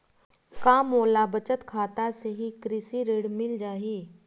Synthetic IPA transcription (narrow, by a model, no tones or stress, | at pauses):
kaːmoːlabət͡ʃət̪kʰaːt̪aseɦikɾɪsiɾeːɽmɪld͡ʒaːɦiː